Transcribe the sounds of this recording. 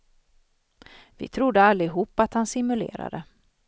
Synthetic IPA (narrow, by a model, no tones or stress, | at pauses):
vɪ̰t̪ʰɾʊd̪ːəalːɪɦuːpːat̪hansɪmɵlḛːɾa̰d̪ə